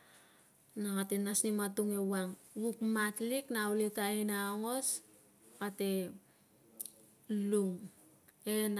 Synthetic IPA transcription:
naŋatenasnimatuŋe̞waŋwukmatliknauletainaoŋo̞s | ate̞ | luŋ | en

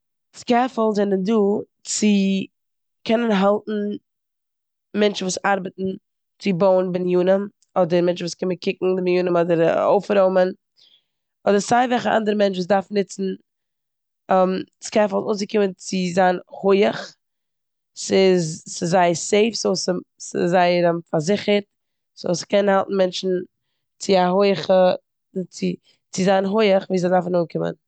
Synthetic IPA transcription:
t͡skɛfəl̩ˠzɛnənduː | t͡sɪ | kʰɛnənɦalˠtn̩ | mɛnt͡ʃn̩vuːsaɾbətn̩ | t͡sɪboʊənbɪnjuːnəm | ɔdəɾmɛnt͡ʃn̩vuːskɪməkʰɪkŋ̩dɪbɪnjuːnəmɔdəɾo̰ʊfɾoʊmən | ɔdəɾsaɪvɛlˠχəʔa̰ndəɾəmɛnt͡ʃvuːs̬daɾfnɪt͡sn̩ | ɛmskʰɛfalˠnuːnsəkɪmənt͡sɪzaːnhʊɪəχ | sɪzsəzaɪseɪfsoʊsəsɪ̰zaɪəɾəmfaɾzɪχəɾt | so̰ʊskɛnhalˠtn̩mɛnt͡ʃn̩ | t͡sɪahʊɪəχə | t͡sɪ | t͡sɪzanɦʊɪəχviːzaɪdaɾfnuːnkɪmə̰n

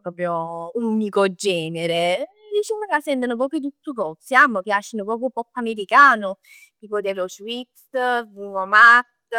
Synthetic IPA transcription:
pɾɔːpɾjounikod͡ʒɛːneɾe | d̪it͡ʃimokasːɛnt̪anop̬ɾɔːpɾot̪ut̪ːukɔsiamːokeaʃːinʊpɾɔːp̬ɾjupɔpːameɾikaːnʊ | kipod̪ɛɾuswit̪szuŋomat̪

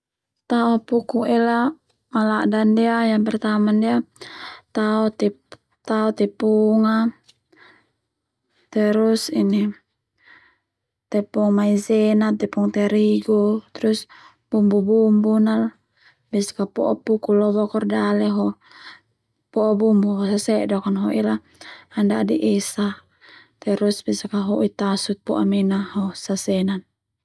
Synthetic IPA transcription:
t̪aɔpukuɛla | malaʔdandiajaŋpɛrt̪amandia | t̪aɔt̪ɛ | t̪aɔt̪ɛpuŋa | t̪ɛɾusini | t̪ɛpɔŋmaizɛnat̪ɛpuŋt̪ɛɾiɡɔt̪ɾus | b̥umbubumbunal | bɛskapɔʔɔpukulɔβɔkɔrdalɛɦɔ | pɔɔbumbuɦɔsasɛʔdɔkɔnɦɔila | andadiʔɛsa | t̪ɛɾusbɛsakaɦɔʔit̪asut̪̚pɔʔa̰minaɦɔsasɛnan

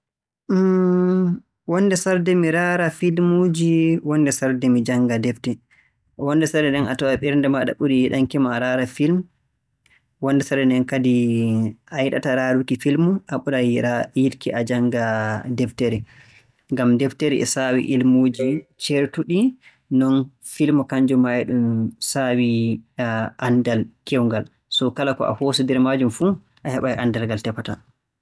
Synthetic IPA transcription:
wɔnːdɛsaɾdɛmiɾaɾafilmud͡ʒiwɔnːdɛsaɾdɛmid͡ʒaŋɡadɛftɛ | wɔnːdɛsaɾdɛɗɛna̰tɔɛɓɛɾndɛmaɗa̰ɓuɾijiɗaŋkimaɾaɾafilm | wɔndɛsaɾdɛnɛnkadi | ʔajɗa̰taɾaɾukifilmuʔaɓuɗajiɾkiʔad͡ʒaŋɡadɛfteɾɛ | ŋɡamdɛfteɾḭʔɛ̰sawḭʔilmoːd͡ʒit͡ʃeɾtuɗi | nɔn | filmɔkaɲd͡ʒɔmajɗumsawi | ʔandalkɛwŋɡal | sɔkalakɔ̰ʔa̰hoːsudɛɾmad͡ʒumfu | ʔahɛɓajʔandalɡaltɛpːata

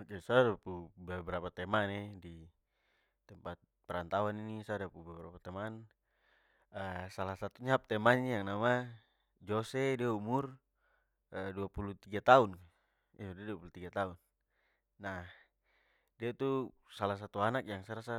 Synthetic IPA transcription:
okesadapubɛbɾapat̪ɛmanɛdi | t̪ɛmpat̪̚pɛɾant̪awaninisadapubɛbɾa̰pat̪ɛman | əsalasat̪uɲaap̚t̪ɛmaɲjaŋnama | d͡ʒosɛdiaumur | əduapulut̪iɡat̪aun | iudiaduapulut̪iɡat̪aunː | a | diat̪u | salas̬at̪uanak̚jaŋsaɾasa

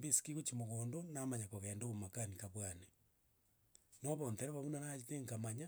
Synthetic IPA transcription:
bisi̥kiɣot͡ʃimoɣoːndonamaɲakoɣɛːndoβomakanikaβwane | noβonteɾeβaβunanaiteŋkamaɲa

